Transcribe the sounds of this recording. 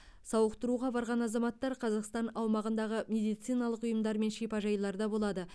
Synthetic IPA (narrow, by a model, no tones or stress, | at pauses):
sɑwəqt̪əɾuʁɑbɑɾʁɑnɑzɑmɑt̪ːɑɾqʰɑzɑqst̪ɑnɑwmɑʁənd̪ɑʁəmʲe̞d̪ijt̪sijnɑlˠəqʊjəmd̪ɑɾme̞nʃipɑʒɑjlˠɑɾd̪ɑbo̞lˠɑd̪ə